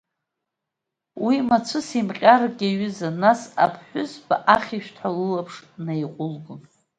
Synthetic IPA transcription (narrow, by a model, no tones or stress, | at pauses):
wimat͡sʷʰʊsimqʲʼarɡʲaɥʏzanasa̰pʰħʷᶣʊzbaʔaχʲiʃᶣtʰalɨlapʰʂnajqʷʼʊlɡʊn